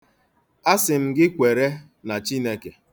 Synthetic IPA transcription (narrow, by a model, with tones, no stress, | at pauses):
a˦sɪ˨m̩˨ɡɪ˦kʷe˨ɾe˦ | na˨t͡ʃi˦ne˦ke˨